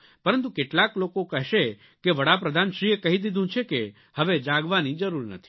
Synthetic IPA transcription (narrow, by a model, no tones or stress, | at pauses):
pəɾənt̪ukeʈlaklokokɛɦʃe | keʋəɽap̬ɾəd̪ʱanʃɾiekəɦid̪id̪ʱũt͡ʃʰeke | həʋed͡ʒaɡʋanid͡ʒəɾuɾnə̰t̪ʰi̥